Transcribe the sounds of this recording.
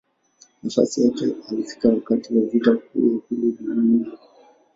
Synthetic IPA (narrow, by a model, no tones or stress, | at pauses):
nafa̰sijakɛalifi̥kakatiwavitakṵjahuluɗimii